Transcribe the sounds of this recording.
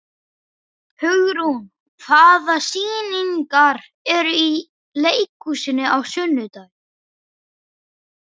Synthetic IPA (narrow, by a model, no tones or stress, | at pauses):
hʏɣɾun | kʰvaːðasiːniŋkaɾ | ɛɾʏi | leːjkusɪnːɪawsʏnːʏt̪aj